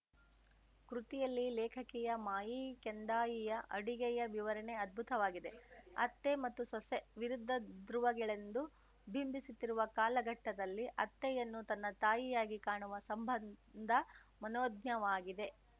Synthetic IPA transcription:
kɾut̪ijɐlːilɛːkʰɐkɛjɐmaːjikend̪aːjijɐʔɐ̰ɽiɡɛjɐʋiʋɐɾɐɳeɐd̪̚bʱut̪ɐʋaːɡid̪e̞ɐ̰t̪ːemɐt̪ːusɐseʋiɾud̪ʱːɐd̪ɾuʋɐɡɐɭe̞nd̪u | bʱimbisut̪ːiɾuʋɐkaːlɐɡɐʈːɐd̪ɐlːiʔɐt̪ːɛjɐnːut̪ɐnːɐt̪aːjijaːɡikaːɳuʋɐsɐmbʱɐnd̪ʱɐmɐnoːd̪ɲɐʋaːɡid̪e̞

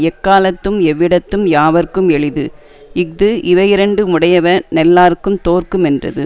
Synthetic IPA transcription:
ɛkːaːlɐt̪ːɯmɛʋːɪɽɐt̪ːɯmjaːʋɐɾkːɯmɛɭɯðɯ | ɪk̚d̪ɯʔɪʋɐjɪɾɐɳɖɯmʊɽɐjɐʋɐnɛlːaːɾɯkːɯmt̪oːrkɯmɛndrɐ̰ðɯ̰

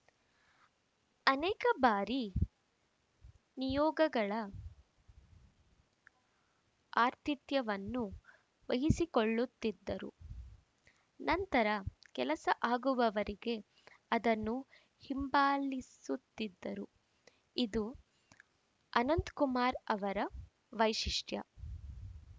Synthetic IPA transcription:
ɐnɛːkɐbaːɾi | nijɔːɡɐɡɐɭɐ | aːɾt̪it̪jɐʋɐnːu | ʋɐɦisikoɭːut̪ːid̪ːɐɾṵ | nɐnt̪ɐɾɐkɛlɐsɐʔaːɡuʋɐʋɐɾiɡe̞ | ɐd̪ɐnːu | himbaːlisut̪ːid̪ːɐɾu | id̪u | ɐnɐnt̪kumaːɾɐʋɐɾɐ | ʋɐjʃiʂʈjɐ̰

